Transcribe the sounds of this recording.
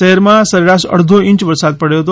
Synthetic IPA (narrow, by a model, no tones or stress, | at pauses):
əɦɛɾmãsəɾeɾaʃə̰ɽd̪ʱoĩɲt͡ʃʋəɾsad̪̚pəɽjoɦət̪o